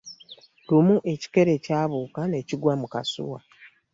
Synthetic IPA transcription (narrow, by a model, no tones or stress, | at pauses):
lumuʔe̞ci̥ke̞ɾe̞caːβuːkane̞ːciɡwamuka̰sṵwa